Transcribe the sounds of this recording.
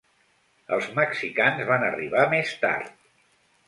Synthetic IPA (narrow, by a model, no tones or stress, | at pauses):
ə̰lˠzməksikanzβanəriβamest̪a̰ɾt̪̚